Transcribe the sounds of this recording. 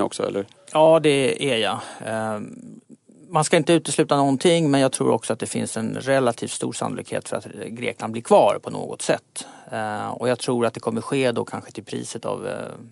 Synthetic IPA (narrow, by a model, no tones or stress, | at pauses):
ɔ̰ksɔ̰ɛ̰lːəɾ | jɑːd̪ɛæja | manskaɪnt̪əʉ̟ːt̪əslʉ̟ːt̪anɔnt̪ʰɪŋːmɛnjaɡt̪ʰɾṵːɾɔ̰ksɔat̪̚d̪ɛfɪ̰nsɛnɾɛlːat̪ʰiːft̪st̪ṵːɾsa̰nːʊlḭkhḛːt̪fœɾa̰t̪ɡɾḛːklʔand̪blɪɾkʰvɑːɾpʰɔnʔo̰ːɡɔ̰t̪sɛ̰t̪ː | ɔjaːɡ̚t̪ʰɾuːɾat̪̚d̪ɛkʰɔmːəɾɧeːd̪ɔkʰanɧə̥t̪ʰɪlpʰɾḭːsət̪ʰa̰v